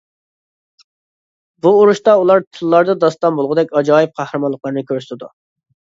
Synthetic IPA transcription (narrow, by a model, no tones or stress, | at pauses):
buːɾuʃt̪ɑulˠɑɾt̪ʰɨlˠːɑɾd̪ɑd̪ɑst̪ɑmbolˠʁʊd̪ɛkʲɑd͡ʒɑːjɪp̚qʰɑhɾɨmɑlːˠəqlˠɑɾnɨkʲʰøɾsɪ̥t̪ʰɪd̪ṵ